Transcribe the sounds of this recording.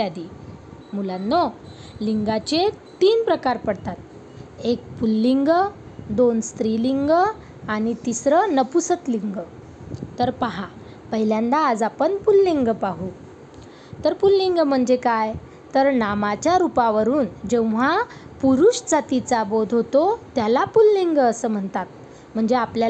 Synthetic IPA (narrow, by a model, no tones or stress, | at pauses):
ad̪imulanːoliŋɡat͡ɕet̪iːnpɾəkaɾpəɽt̪at̪̚ | ek̚pulːiŋɡəd̪onst̪ɾiliŋɡə | anit̪isɾənəpusət̪liŋɡ | t̪əɾpəɦa | pəɦiljãnd̪aːd͡zapəɳpulːiŋɡpaɦu | t̪əɾpulːiŋɡm̤əɳd͡zekaj | t̪əɾnamat͡ɕjaɾupaʋəɾuːnd͡ʑẽʋʋ̤a | puɾuɕd͡zat̪it͡sabod̪ʱɦot̪ot̪jalapulːiŋɡəsəːm̤əɳt̪at̪̚ | m̤əɳd͡zeaplja